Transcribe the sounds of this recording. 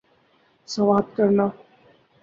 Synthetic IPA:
sɐʋaːd̪̚kəɾna

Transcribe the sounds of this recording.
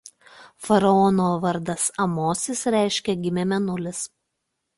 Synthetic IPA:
fɐɾɐɔnoːʋɐɾd̪ɐsɐmoːsʲɪsɾʲæˑɪʃʲkʲɛɡʲɪmʲɛmʲɛnʊlʲɪs

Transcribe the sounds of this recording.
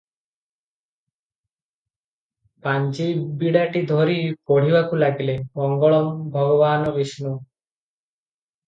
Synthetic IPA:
paɲd͡ʒibiɽaʈid̪ʱoɾipoɽ̤ibakulaɡilemɔŋɡɔɭɔmbʱɔɡɔbaːnɔbisnu

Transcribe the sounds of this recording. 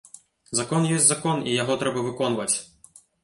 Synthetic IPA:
zakɔnjɔsʲtʲzakɔnijaɣɔt̪ɾɛbɐvɨkɔnvɐt͡sʲ

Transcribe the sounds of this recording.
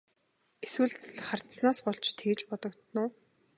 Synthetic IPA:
eswɘ̆ɮχar̥t̪snaːspɔɮt͡ɕʰt̪ʰeːt͡ɕpɔt̪ɞ̆kt̪nʊː

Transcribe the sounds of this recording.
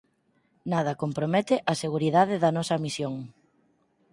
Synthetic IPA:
nað̞ɐkompɾomɛt̪ɪʔɐseɣuɾiðaðɪðɐnɔsɐmisjoŋ

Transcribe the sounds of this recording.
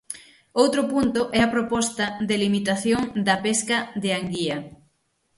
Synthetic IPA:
owt̪ɾʊpunt̪ʊʔɛɐpɾopɔst̪ɐd̪elimit̪aθjoŋd̪ɐpeskɐðeaŋɡiɐ

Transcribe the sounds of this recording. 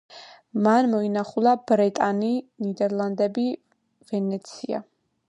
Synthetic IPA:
manmɔinaχulˠabɾɛt̪ʼaninid̪ɛɾlˠand̪ɛbi | vɛnɛt̪sʰia̰

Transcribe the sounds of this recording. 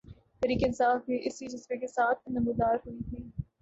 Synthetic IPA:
t̪ɛɾiːkeɪnsaːfbiʔɪsid͡ʒɐsbekesaːt̪̚ʰnɐmed̪aːɾɦʊit̪ʰiː

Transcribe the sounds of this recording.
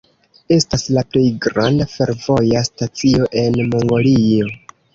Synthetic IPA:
e̞staslaple̞jɡɾandafe̞ɾvo̞jastat͡sio̞ʔe̞nmoŋɡo̞lio̞

